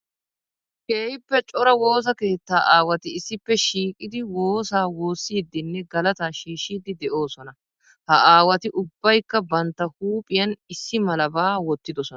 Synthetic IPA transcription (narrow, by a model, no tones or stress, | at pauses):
keːjɪpːɛt͡ʃʼɔɾɐwo̞ːs̬ɐke̞ːt̪ːaːʔaːwɐt̪ɪɪsːɪpːɛʃiːkʼɪd̪ɪwo̞ːsaːwo̞ːsːiːd̪ːɪnːɛɡɐlɐt̪aːʃiːʃːiːd̪ɪd̪ɛʔo̞ːsɔnɐ | hɐʔaːwɐt̪ɪʔʊbːɐjkːɐbɐnt̪ːɐhuːpʼɪjɐnɪsːɪmɐlɐbaːwɔt̪ːɪd̪ɔsɔnɐ